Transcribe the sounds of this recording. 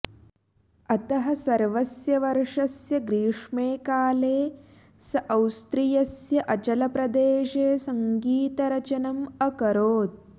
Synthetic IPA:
ɐt̪ɐɦɐsɐɾʋɐsjɐʋɐɾʂɐsjɐɡɾiːʂmeːkaːleː | sɐʔɐwst̪ɾijɐsjɐʔɐt͡ʃɐlɐpɾɐd̪eːʂeːsɐŋɡiːt̪ɐɾɐt͡ʃɐnɐmɐkɐɾoːt̪̚

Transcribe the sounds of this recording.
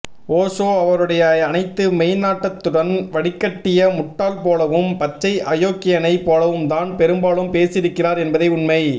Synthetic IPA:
oːsoːɐʋɐɾɯɽɐjɐːnɐɪt̪ːɯmɛɪnaːʈːɐt̪ːɯɽɐnʋɐɽɪkːɐʈːɪjɐmʊʈːaːlpoːlɐʋɯmpɐt͡ʃːɐɪʔɐjoːkːɪjɐnɐɪpoːlɐʋɯmt̪aːnpɛɾɯmbaːlɯmpeːsɪɾɯkːɪraːɾɛnbɐðɐɪʊɳmɐɪ

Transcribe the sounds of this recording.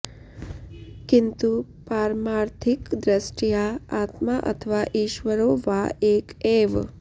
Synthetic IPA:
kɪnt̪u | paɾmaɾt̪ʰikd̪ɾəsʈijaat̪maʔə̰t̪ʰəʋaʔiːʃʋəɾoʋaekeʋ

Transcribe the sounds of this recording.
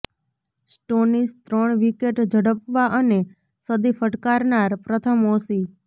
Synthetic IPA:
sʈonist̪ɾəɳʋikeʈd͡ʒʱəɽəpʋaʔəne | səd̪ifəʈkaɾnaɾpɾət̪ʰəmosi

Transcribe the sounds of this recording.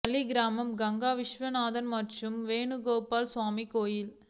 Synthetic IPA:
ɐliɡɪɾaːmɐmɡɐŋɡaːʋɪʂʋɐnaːðɐnmɐʈːrɯmʋeːɳɯɡoːpaːlsʋaːmikoːjɪl

